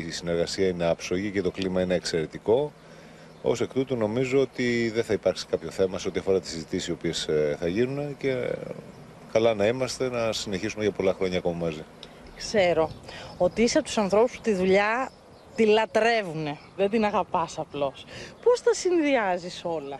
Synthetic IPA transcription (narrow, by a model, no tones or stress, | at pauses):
sine̞ɾɣɐsiɐine̞ɐpso̞ʝice̞t̪o̞klimɐine̞ːkse̞ɾe̞t̪iko̞ | o̞̰sekt̪ut̪uno̞mizoot̪iðeθɐipɐɾksi̥kɐpço̞θe̞mɐseo̞t̪iɐfo̞ɾɐt̪i̥sizit̪isio̞pie̞sθɐʝinunece̞ | kɐlɐnɐimɐst̪e̞nɐsine̞çisume̞ʝɐpo̞lɐxɾo̞ɲɐːko̞mɐmɐzi | kse̞ɾo̞ot̪iisɐpt̪u̥sɐnθɾo̞puspu̥t̪iðuʎɐ | t̪ilɐt̪ɾe̞vune̞ | ðed̪inɐɣɐpɐsɐplo̞spo̞sθɐsinðiɐziso̞lɐ